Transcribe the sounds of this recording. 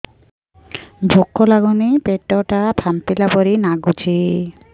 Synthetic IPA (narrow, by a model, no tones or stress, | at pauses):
bʱokʰːɔlaɡunipeʈːɔʈapʰamt̪ilabɔɾinaɡut͡ɕʰi